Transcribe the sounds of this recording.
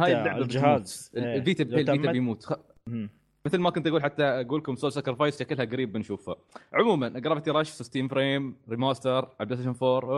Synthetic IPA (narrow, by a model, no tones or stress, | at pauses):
haːjlaʕabhalviːt̪abaːlit̪abjmuːt̪ | mɪθlmakʊnt̪aɡuːlħat̪ːaɡuːlkʊmsoːlsakɾɪfajsakɪlhaɡaɾiːbːɪnʃuːfha̰ | ʕʊmuːmanʔaɡɾˤɑbt̪iɾˤɑːʃsɪst̪iːmfɾeːmɾɪmaːst̪ɑɾˤʕʔab̚d̪st̪ːʃɪnfoːɾˤ